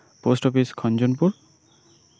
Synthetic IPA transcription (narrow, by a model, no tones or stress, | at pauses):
postɔpiskʰɔnd͡ʒɔnpʊɹ